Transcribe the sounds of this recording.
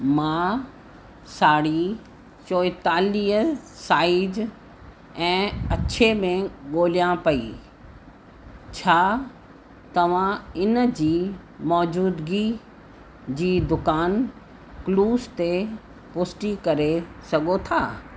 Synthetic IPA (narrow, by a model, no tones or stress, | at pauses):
mã | saːɽi | t͡ɕoːjt̪aːliːəsaːɪd͡ʑ | ɛ̃ːɐɕʰemẽɠoːlijãpɐḭ | t͡ɕʰaː | t̪ɐʋ̤ãɪnd͡ʑiː | mɔːd͡ʑuːd̪ɡi | d͡ʑiːd̪ʊkaːn | kluːst̪e | pʊsʈikɐɾesɐɡot̪ʰaː